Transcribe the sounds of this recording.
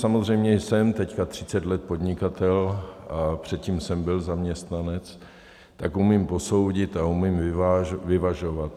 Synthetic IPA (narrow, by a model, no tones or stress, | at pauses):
samozrɛjmɲɛjsɛmt̪ɛckat̪r̝̥ɪt͡sɛt̪lɛt̪̚po̞d̪ɲɪkat̪ɛlapr̝̥ɛt̪̚cimsɛmbɪlzamɲɛst̪nanɛt͡s | t̪akumimpo̞so̞wɟɪt̪aumɪmvɪvaʒvɪvaʒo̞vat̪